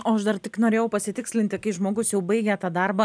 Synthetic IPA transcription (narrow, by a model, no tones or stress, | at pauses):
oːɐʃd̪ɐɾt̪ʲɪknoːɾʲeːjɛʊpɐsʲɪt̪ʲɪksʲlʲɪnʲt̪ʲɪkɐɪʒmoːɡʊsjɛʊbɐɪɡʲɛːt̪ɑːd̪ɐɾbɐ